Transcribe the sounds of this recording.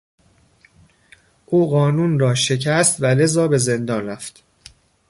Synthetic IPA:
ʔuːɣɒːnuːnrɒːʃe̞cʰæst̪væle̞zɒːbe̞ze̞nd̪ɒːnræft̪

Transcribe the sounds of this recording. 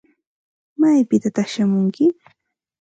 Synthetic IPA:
majpɪt̪at̪aχʃamʊŋkɪ

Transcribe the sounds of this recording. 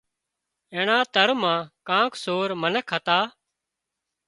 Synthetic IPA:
ẽːɳãːt̪əɾmãːkãːksoːɾmənəkʰːət̪aː

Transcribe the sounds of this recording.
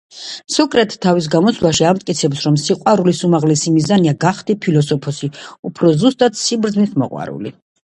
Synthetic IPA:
sɔkʼɾɛt̪ʰːavis̬ɡamɔt̪sʰvlˠaʃiamt̪ʼkʼit̪sʰɛpsɾɔmsiqʼwaɾulisumaʁlɛsimizaniaɡaχd̪ipʰilɔsɔpʰɔsiupʰɾɔzust̪ʼat̪ʰsibɾd̪znit̪ʰmɔ̰qʼwa̰ɾṵli

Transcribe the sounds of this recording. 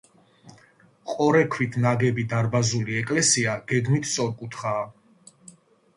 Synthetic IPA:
qʼɔɾɛkʰwit̪ʰnaɡɛbid̪aɾbazuliɛkʼlɛsiaɡ̥ɛɡmit̪ʰsʼɔɾkʼut̪ʰχaː

